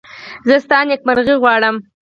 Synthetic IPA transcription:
zəst̪ɑnjak̚maɾɣiɣwɑɽəm

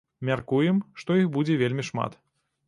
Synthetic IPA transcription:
mʲarkujɛmʂt̪ɔixbud͡zʲɛvʲelʲmʲiʂma̰t̪

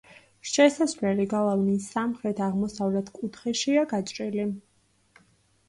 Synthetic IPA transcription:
ʃɛsasvlɛliɡalˠavnisːamχɾɛt̪ʰaʁmɔsavlɛt̪ʰkʼut̪ʰχɛʃiaɡat͡ʃʼɾili

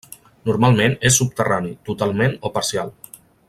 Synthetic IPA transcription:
nuɾmalˠmẽnesːup̚t̪əranit̪ut̪alˠmenopaɾsialˠ

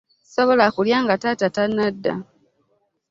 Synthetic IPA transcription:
soβo̞lakuljaːŋɡatatatanːadːa̰

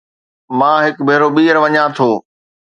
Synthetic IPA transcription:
mãːɦɪkbʱeːɾoɓiːəɾʋɐɲãt̪ʰoː

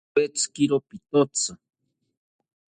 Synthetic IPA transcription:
et͡skiɾopit̪ot͡sa

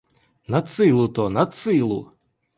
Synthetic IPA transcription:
nɐt̪sɪlˠʊt̪ɔnɐt̪sɪlˠʊ̰

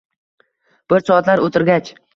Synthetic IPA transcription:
b̥ɪɾsɒat̪laɾot̪ʰɪɾɡʲat͡ʃ

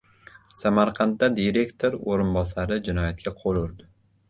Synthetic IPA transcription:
samaɾqʰɑnt̪ːad̪iɾe̞kt̪ʰoɾoɾɪnbɒsaɾɪd͡ʒɪnɒjat̪̚kʲaqʰolʊɾd̪ɪ

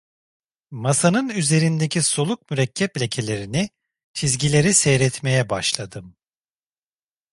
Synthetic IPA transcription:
masanɯnyze̞ɾind̪ecʰiso̞lˠuk̚myɾɛcʰːɛplʲe̞cʰe̞lʲe̞ɾini | t͡ʃʰizɟilʲe̞ɾisejɾɛt̪me̞jɛbaʃlˠad̪ɯm

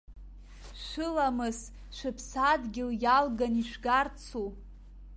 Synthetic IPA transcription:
ʃʷɨlamɨz | ʃʷɨpʰsadɡʲɪljalɡaniʃʷɡart͡sʰu

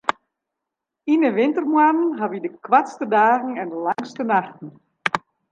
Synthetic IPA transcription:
inəʋɪntərmwanən̩ɦaʋidəkʰwatstədaːɣn̩ɛndəlaŋstənaxtn̩

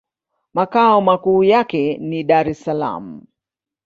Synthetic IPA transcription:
makaɔmakuːjakɛniɗaɾɛsala̰m̩

